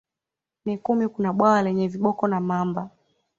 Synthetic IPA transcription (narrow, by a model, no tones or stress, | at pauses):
nikumikunaɓwawalɛɲɛviɓɔkɔnamamba